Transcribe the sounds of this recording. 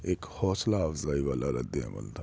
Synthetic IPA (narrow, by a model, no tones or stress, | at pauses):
eːkhɔːslaːʋzaːiʋaːlaɾə̰d̪ḛ̃mə̰nt̪ʰa